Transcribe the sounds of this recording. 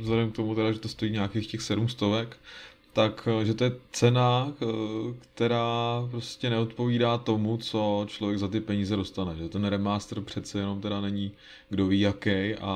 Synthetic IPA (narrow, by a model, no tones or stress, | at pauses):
zlɛdɛmk̚t̪o̞mut̪ɛɾaʒɛt̪ost̪ojiːɲaːkeːxcɛxsɛdumst̪o̞vɛk | t̪akʒɛt̪o̞jɛt͡sɛna | kt̪ɛɾaːpɾo̞scɛnɛo̞t̪po̞viːdaːt̪o̞mut͡so̞t͡ʃlovjɛɡzat̪ɪpɛɲiːzɛdo̞st̪anɛʒɛt̪ɛnɾɛmaːst̪r̩pr̝̥ɛt̪t͡sɛjɛno̞mt̪ɛɾanɛɲi | ɡdo̞viːjakɛjʔa̰